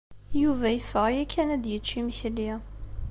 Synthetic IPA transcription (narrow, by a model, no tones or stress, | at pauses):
juvæjəfəʁjækʰːænæd̪jət͡ʃːimçli